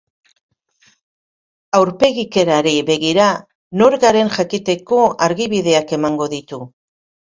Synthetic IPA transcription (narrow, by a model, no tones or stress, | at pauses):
awɾpe̞ɣike̞ɾaɾiβe̞ɣiɾa | no̞ɾɣaɾe̞nʝakit̪e̞ko̞aɾɣiβiðe̞ake̞maŋɡo̞ðit̪u